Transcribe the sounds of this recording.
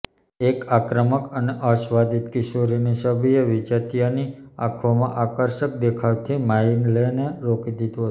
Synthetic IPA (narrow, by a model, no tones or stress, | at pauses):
ekakɾəməkəneʔəʃʋad̪it̪kɪʃoɾinisəbʱijeʋid͡ʒat̪ijania̰kʰomãʔakəɾʃək̚d̪ekʰaʋt̪ʰimainleneɾokid̪id̪uɦət̪